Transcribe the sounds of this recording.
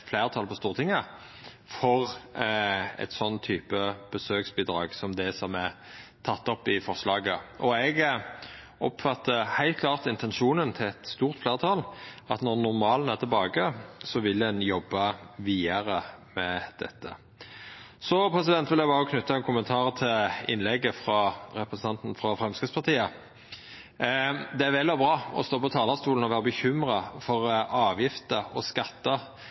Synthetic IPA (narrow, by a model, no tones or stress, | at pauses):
fleːʁt̪ʰɑːlpʰɔst̪uːʁt̪ʰɪŋːə | fɔʁ | ɛ̰t̪sɔnt̪ʰyːpəb̥əsøːksbiːd̪ɾɑ̰ːɡsɔmd̪ɛsɔmæ | t̪ʰɑt̪ːɔpːɪfɔʁslɑːɡəʔɔɛɡ | ʔɔpfɑt̪ːəhæɪlt̪̚kʰlɑːʁt̪ɪnt̪ʰɛnʂuːnənt̪ʰɪlɛt̪st̪uːʁt̪fleːʁət̪ʰɑlɑt̪nɔnʊʁmɑːlənæʁt̪ʰɛlbɑːɡəsɔʋɪlːd̪ɛnjɔbːɑʋiːəɾəmɛd̪̥ɛ̰t̪ːə̰ | sɔpʰɾɛsɪd̪ɛnt̪ʋɪljæɪbɑːʁəkʰnʉt̪ːɑɛnkʰʊmənt̪ʰɑːʁt̪ʰɪlɪ̰nlɛɡəfɾɑɾɛpɾəsn̩ʰɑnt̪n̩fʁɑfɾɛmskɾɪspʰɑʁt̪iːə | d̪ɛæɾʋɛlɔbʁɑːɔ̰st̪oːpɔt̪ʰɑːlɑst̪uːln̩ɔʋæːʁəbəçʏmʁɑfɔʁɑːʋjɪft̪əɔskɑt̪ːɑ